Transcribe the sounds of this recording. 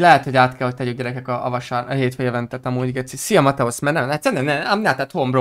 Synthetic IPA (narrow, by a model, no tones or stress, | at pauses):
lɛɦɛt̪ho̞ɟaːt̪kʰɛlho̞c̚ʲt̪ɛɟykɡɟɛɾɛkɛkɒɒvɒʃaːɾɒɦeːt̪fɛjvɛnt̪ɛt̪ɒmuːɟɡɛt̪sisijɒmɒt̪ɛosmɛrnɛmat̪sɛnɛnnɛamnat̪ːaːt̪hombɾo